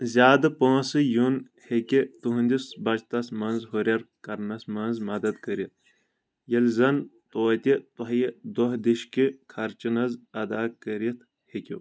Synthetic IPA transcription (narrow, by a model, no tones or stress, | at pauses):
zʲaːd̪ɨpɐ̃ːsɨjun | hekʲit̪uɦũnʲd̪isbɐt͡ʃt̪ɐsmɐnzɦoɾʲɐɾkɐɾnɐsmɐnzmɐd̪ɐd̪kɐɾit̪̚ʰ | jɐlzɐnt̪oːt̪ʲit̪oɦjed̪oɦd̪iʃkikʰɐɾt͡ʃinɐzɐd̪aːkɐɾit̪ʰ | hekʲṵ